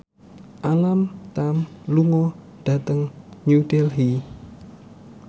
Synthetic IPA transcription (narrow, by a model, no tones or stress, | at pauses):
ʔalamt̪amluŋɔ | ɖ̥a̤t̪əŋɲudɛlɦi